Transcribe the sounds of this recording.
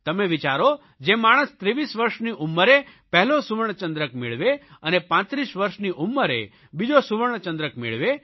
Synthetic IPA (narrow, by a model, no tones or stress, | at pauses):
t̪əmeʋit͡ʃaɾo | d͡ʒemaɽ̃əst̪ɾiʋisʋəɾʃniʔumːəɾepɛɦlosuʋəɳ̃t͡ʃə̃nd̪ɾəkmeɭʋeənepãt̪ɾiʃʋəɾʃniʔumːəɾḛ | bid͡ʒosuʋəɳ̃t͡ʃə̃nd̪ɾəkmḛɭʋe